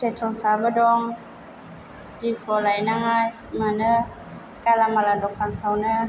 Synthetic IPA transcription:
set̪ʰonkʰaːbadɔŋ | difɔlajnaŋasmanə | kalamaladɔk̚paŋhʰawnə

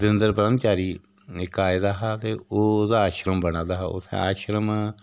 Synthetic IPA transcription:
d̪ɪnd̪əɾpəɾəmt͡ʃaːɾiː | ɪkaːɪd̪aːɦaːt̪eːoːd̪aːʃɾəmbəɽãːd̪aːɦaːʊ̰t̪ʰːḛ̃aːʃɾəmː

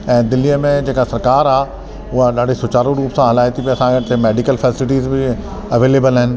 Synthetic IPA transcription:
ɛ̃ːd̪ɪliəmẽd͡ʑeːkasɐɾkaːɾaː | ʊɦaɗaːɖʱesʊt͡ɕaːɾoɾuːpsãɦɐlaːjt̪ipiɐsãkʰɪt̪emeːɖɪkəlfɛːsɪlɪʈiːzbɪ | ɐʋeːleːbəlɦɪnɪ̆

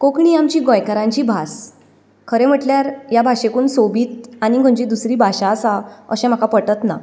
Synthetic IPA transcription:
kokɳiːamt͡ɕiːɡõjkaɾãɲt͡ɕiːbʱas | kʰəɾem̤əʈljaɾjabʱaɕekuːnsobiːt̪aɽ̃iɡʱoɲd͡ʑiːd̪usɾiːbʱaɕasaə̰ɕẽm̤akapəʈət̪na̰

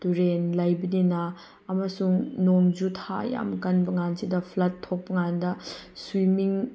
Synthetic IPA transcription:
tuɾenlɐjbɐninɐː | mɐsuŋnoŋd͡ʒutʰaja̰mkɐnbɐŋansidɐpʰlɐtʰːok̚pɐŋandɐswimiŋ

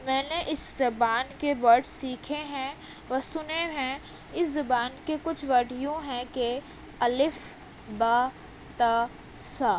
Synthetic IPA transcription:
mɛ̃ːneʔɪszɐbaːnkebɐɾʈsiːkʰeɦɛ̃ | ʋɐsʊneɦɛ̃ | ɪszɐbaːnkekʊt͡ʃʰʋɐɾɖʱijõɦɛ̃ke | ɐlɪf | baː | t̪aː | saː

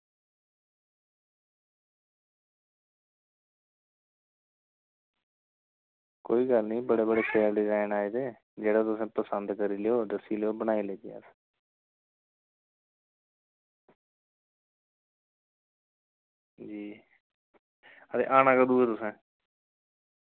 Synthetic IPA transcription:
koːiːɡəlnĩːbəɽeːbəɽeːkʰeːəɾɖɪzaːɪnaːeːd̪eː | d͡ʒeːɽaːt̪ʊsẽːpəsənd̪kəɾiːlejoːd̪əsiːleoːbəñaːiːleːt̪ja̰s | d͡ʒiː | ət̪ḛːʔaːnãːkəd̪uːɛːt̪ʊsẽː

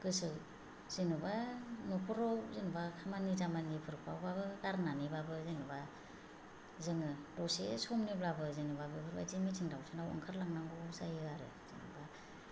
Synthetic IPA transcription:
ɡ̥ɯsɯ | z̥inubanupʰɔɾɔzinubakʰamanizamanipʰɯɾkpʰa̰wbabɯɡaɾnanibabɯzeŋɯba | zɯŋɯdɔsesɔmniblabɯzinubabɯpʰɯɾba̰zimitʰiŋdawtʰɯnawa̰ŋkʰɯɾlaŋnaŋɡusajɯaɾɯ̰z̥inṵba

